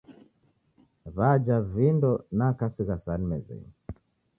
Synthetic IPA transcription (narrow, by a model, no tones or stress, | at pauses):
βad͡ʒavindɔnakasiɣasanimɛzɛ̰n